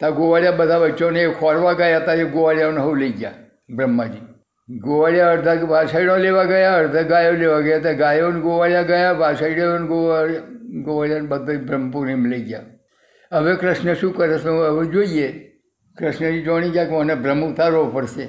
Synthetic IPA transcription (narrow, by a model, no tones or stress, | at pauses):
t̪aɡoʋaljabəd̪ʱaʋət͡ʃonekʰɔɾʋaɡajat̪ajeɡoʋaljaʋnɦəwleiɡja | bɾəmːad͡ʒiː | ɡoʋaljaəɾd̪ʱaʋasaiɽõleʋaɡəjaəɾd̪ʱaɡajoleʋaɡəjat̪aɡajonɡoʋaljaɡəjaʋasaiɽeʋənɡoaɡoʋaljanbəd̪ʱəbɾəmpuɾimleiɡja̰ | əʋekɾəʃnəʃũːkəɾəsoəʋed͡ʒoije | kɾəʃnəd͡ʑid͡ʒoɽ̃iɡjakmɔnebɾəmut̪aɾopəɾse